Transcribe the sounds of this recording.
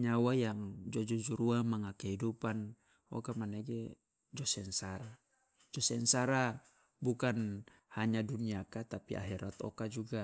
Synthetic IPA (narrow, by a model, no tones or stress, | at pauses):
ɲawajaŋd͡ʒɔd͡ʒɔd͡ʒuɾuamaŋakɛɦidupan | ɔ̰kamanɛɡɛ | d͡ʒɔsɛnsaɾa | d͡ʒɔsɛnsaɾa | bukan | haɲaduniakat̪apia̰ɦɛɾat̪ɔ̰kad͡ʒuɡa